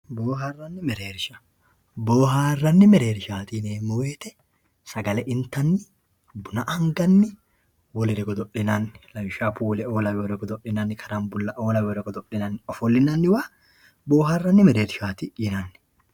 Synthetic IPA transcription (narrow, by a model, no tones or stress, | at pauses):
boːɦarːɐnːɪmɛɾeːɾɪʃɐ̥ | boːɦaːrːɐnːɪmɛɾeːɾɪʃaːt̪ɪneːmːʊweːt̪ɛ | sɐɡɐlɛʔɪnt̪ːɐnːɪ | bʊnɐʔɐŋɡɐnːɪ | wɔlɛɾɛɡɔd̪ɔʔːɪnɐnːɪlɐjʊʃaːpuːlɛoːlɐwwɔɾɛɡɔd̪ɔʔɪnɐnːɪkʰɐɾɐnbʊlːɐʔoːlɐwwɔɾɛɡɔd̪ɔʔɪnɐnːɪɔfɔlːɪnɐnːɪwa | boːɦarːɐnːɪmɛɾeːɾɪʃaːt̪ɪjɪnɐnːɪ̥